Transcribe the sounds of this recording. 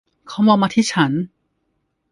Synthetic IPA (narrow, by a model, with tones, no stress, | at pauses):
kʰa˦˥˦mwaː˧maː˧t̪ʰiː˥˩t͡ɕʰa˦˥n